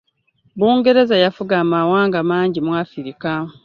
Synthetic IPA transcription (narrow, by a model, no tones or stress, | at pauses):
buːŋɡe̞ɾe̞zajafuɡaːmawaːŋɡamaːɲɟimwafiɾika